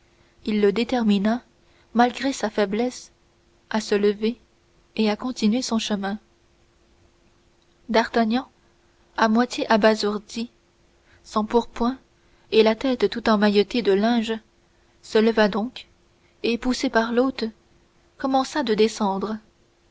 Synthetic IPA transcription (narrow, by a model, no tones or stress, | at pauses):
ilːəd̪et̪ɛʁmina | malɡʁesafɛblɛs | asələve | eakɔ̃t̪inɥesɔ̃ʃəmɛ̃ | d̪aʁt̪aɲɑ̃ | amwat̪jeʔabazuʁd̪i | sɑ̃puʁpwɛ̃ | elat̪ɛt̪t̪ːut̪ɑ̃majɔt̪ed̪əlɛ̃ʒ | sələvad̪ɔ̃k | epusepaʁlot̪ | kɔmɑ̃sad̪əd̪esɑ̃d̪ʁə